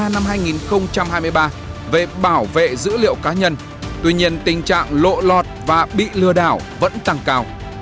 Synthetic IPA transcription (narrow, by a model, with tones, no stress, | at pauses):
na˧mɦaː˧jŋi˨˩nxə˧wŋ͡mt͡ɕa˧mhaː˧jmɨ˧əjɓaː˧ | ve˨˩ɓaː˧˩wvḛ˧˨zɨ̰˧˥lḭ˧˨əwkaː˨˦ɲə˧n | t̪wi˧ɲi˧ənt̪ï˨˩ŋ̟t͡ɕa̰ː˧˨ŋlo̰˧˨lɔ˨˩t̚vaː˨˩ɓḭ˧˨lɨ˧əɗaː˧˩w | və̰˧˥nt̪a˨˩ŋkaː˧w